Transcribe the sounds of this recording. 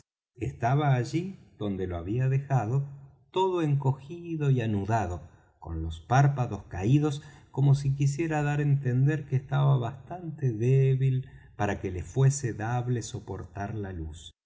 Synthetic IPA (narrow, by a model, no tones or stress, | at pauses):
est̪aβaːʒiðo̞nd̪e̞loaβiaðexaðo̞t̪o̞ðo̞e̞ŋko̞xiðo̞ianuðaðo | ko̞̰nlo̞spaɾpaðo̞skaiðo̞sko̞mo̞sikis̬je̞ɾaðaɾent̪e̞nd̪e̞ɾkeːst̪aβaβast̪ant̪eðeβilpaɾake̞lefwe̞seðaβleso̞po̞ɾt̪aɾlalus